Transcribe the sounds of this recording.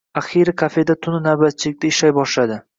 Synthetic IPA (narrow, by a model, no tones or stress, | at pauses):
aχiɾɪkʰafe̞d̪at̪ʰʊnɪnawbat̪̚t͡ʃʰɪlɪk̚ʲt̪aɪʃajbɒʃlad̪ɪ